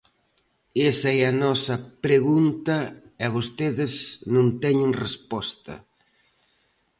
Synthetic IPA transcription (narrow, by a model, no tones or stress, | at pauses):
esɐɛɐnɔsɐpɾeɣunt̪ɐ | ɛaβost̪eðɪznõnt̪ɛɲɪ̃ŋrespɔst̪ɐ̰